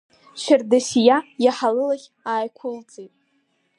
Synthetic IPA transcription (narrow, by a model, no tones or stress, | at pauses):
ʃɪrdasijajaħalɨlaχʲ | aːjkʷʰʊlt͡sʼejtʼ